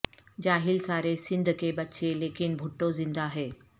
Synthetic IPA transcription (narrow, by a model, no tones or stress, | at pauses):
d͡ʑaːɦilsaːɾesɪ̃nd̪ʱkebɐtːʃʰeleːkinbʱuʈːozɪ̃nd̪aːɦeː